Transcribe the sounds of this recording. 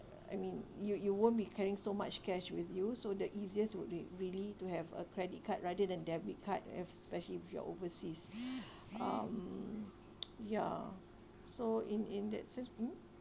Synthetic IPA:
a̰jmĩnjujuwõnbikʰɛɹĩŋsomat͡ʃkɛʃwiθjusodəʔiziəswut̚iɹilituɦɛvə̰kʰɹɛdit̚kʰat̚ɹadədɛ̃ndɛbit̚kʰat̚ɛ̰spɛʃəliwifjɔ̰ʔo̰vəsis | ã̰m | ja | soĩnĩndɛ̰t̚sɛ̃nsmm̩

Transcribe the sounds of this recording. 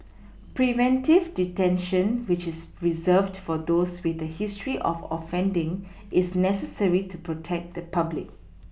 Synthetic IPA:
pɹivɛ̃ntivditɛ̃nʃə̃nwɪt͡ʃɪsɹizəvdfɔd̪oswɪθəhɪstɹiʔɔ̰fɔ̰fɛ̃ndɪ̃ŋ | ʔɪsnɛsəsəɹitʰupɹotʰɛk̚d̪əpʰablɪ̰k̚

